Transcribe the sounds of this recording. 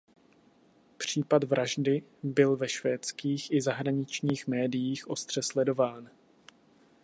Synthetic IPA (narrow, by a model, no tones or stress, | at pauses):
pr̝̥iːpadvɾaʒdɪbɪlvɛʃvɛːt͡skiːxʔɪzaɦɾaɲɪt͡ʃɲiːxmɛːdɪjiːxʔo̞st̪r̝̥ɛslɛdo̞vaːn